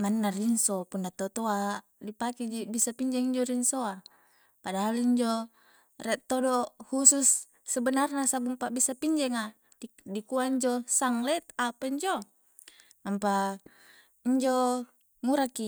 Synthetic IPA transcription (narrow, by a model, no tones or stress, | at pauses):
manːarinsopunːat̪ot̪oa | dipakid͡ʒibisapiɲd͡ʒɛŋiɲd͡ʒɔɾinsoa | padaɦaliɲd͡ʒɔ | rɛt̪ːodɔhususː | ɛbənarnasabumpaʔbisapiɲd͡ʒɛŋa | dikuaiɲd͡ʒɔsaŋlɛt̪apaiɲd͡ʒɔ | ampa | iɲd͡ʒɔ | ŋuɾaki